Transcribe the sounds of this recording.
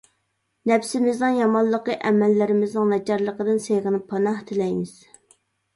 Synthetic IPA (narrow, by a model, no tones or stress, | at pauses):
nɛpsɪmɪznɨŋjɑmɑllˠːəqəʔɛmɛlːɪɾɪmɪznɨŋnɛd͡ʒɑɾlˠəqəd̪ɨnsejʁənɨpʰːɑnɑht̪ʰɪlɛjmɪz̥